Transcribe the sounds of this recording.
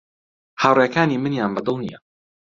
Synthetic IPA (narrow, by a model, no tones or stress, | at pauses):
haːwrjɛkaːniːmɨnjaːnbɐd̪ɨlˠnḭjɛ